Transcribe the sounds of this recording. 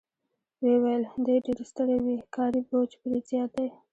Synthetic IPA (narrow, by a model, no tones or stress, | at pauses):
wewajəld̪ojɖeɾist̪əɽawikɑɾibot͡ʃpəɾezjɑt̪aj